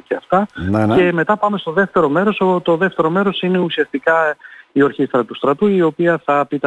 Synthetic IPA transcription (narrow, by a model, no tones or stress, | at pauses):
ceɐft̪ɐne̞me̞t̪ɐpɐme̞st̪o̞ðe̞ft̪e̞ɾo̞me̞ɾo̞sot̪o̞ðe̞ft̪e̞ɾo̞me̞ɾo̞sine̞usiɐst̪ikɐio̞ɾçist̪ɾɐt̪ust̪ɾɐt̪uio̞piɐθɐpit̪ɐ